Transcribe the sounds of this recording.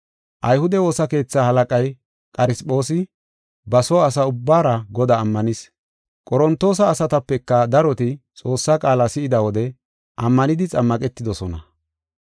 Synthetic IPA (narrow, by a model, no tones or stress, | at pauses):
ʔɐjhʊd̪ɛwo̞ːsɐke̞ːt͡sːaːhɐlɐkʼɐj | kʼɐɾɪspʼo̞ːsɪ | bɐsɔːsɐʊbːaːɾɐɡɔd̪aːmːɐnɪs | kʼɔɾɔnt̪ːo̞ːs̬ɐːsɐt̪ɐpːɛkːɐd̪ɐɾɔt̪ɪt͡sʼo̞ːsːaːkʼaːlasɪɪd̪ɐwɔd̪ɛ | ʔɐmːɐnɪd̪ɪt͡sʼɐmːɐkʼɛt̪ːɪd̪ɔsɔnɐ̰